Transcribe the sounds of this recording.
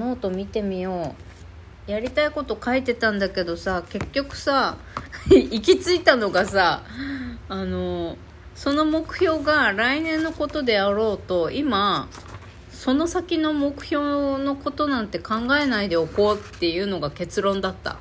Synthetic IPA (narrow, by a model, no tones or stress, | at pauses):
no̞ːt̪o̞mʲit̪e̞mʲijo̞ː | jaɾʲit̪aiko̞t̪o̞kait̪e̞t̪ãnd̪ake̞d̪o̞sake̞kʲːo̞kɯ̟̥sa | ik̬ʲit͡sɨit̪ano̞ɡas̬aː | ano̞ | so̞no̞mo̞kɯ̟̥ço̞ːɡaɾainẽ̞nːo̞ko̞t̪o̞d̪e̞aɾo̞ːt̪o̞ima | so̞no̞sakʲino̞mo̞kɯ̟̥ço̞ːno̞ko̞t̪o̞nãnt̪e̞kãŋɡae̞naid̪e̞oko̞ːt̪ːe̞jɯ̟ːno̞ɡake̞t͡sɨɾõ̞nd̪at̪ːa̰